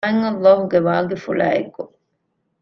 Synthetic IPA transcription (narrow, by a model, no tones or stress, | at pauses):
eŋɐlˤːɑːɦuɡeʋaːɡefuɭæ̰ːḛkːo